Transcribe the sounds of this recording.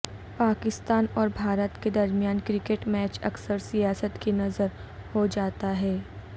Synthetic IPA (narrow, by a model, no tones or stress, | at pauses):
paːkɪst̪aːnɔːɾbʱaːɾət̪ked̪ɐɾmijaːnkɾɪkeʈmɛːt͡ʃɐ̰ksəɾsijaːsət̪kinɐzəɾ | hod͡ʒaːt̪aɦɛː